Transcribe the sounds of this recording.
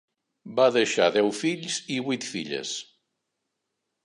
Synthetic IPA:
baðəʃa̰ðɛwfiʎziβujt̪fiʎə̰s

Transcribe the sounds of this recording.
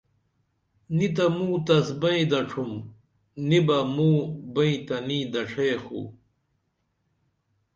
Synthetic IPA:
nit̪̬ɐmũːt̪ɐsbɐĩd̪ɐʈ͡ʂʰum | nibɐmuːbɐĩt̪ɐnid̪ɐʈ͡ʂʰeːxṵ

